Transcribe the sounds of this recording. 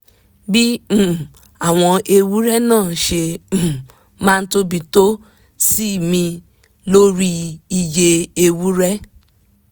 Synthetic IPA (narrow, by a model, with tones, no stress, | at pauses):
bĩ˦˨ | a˦˨w̃ɔ̃˧ʔe˧wu˦ɾɛ˦nãː˦˨ʃẽ˧˨ | mãː˦˧n̩˦to˦bi˧to˦ | si˦˨mĩ˧ | lo˦ɾi˦i˧je˧e˧wu˦ɾɛ˦